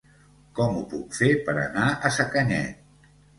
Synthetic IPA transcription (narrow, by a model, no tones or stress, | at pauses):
kɔmupukfepəɾə̰naəsəkəɲɛ̰t̪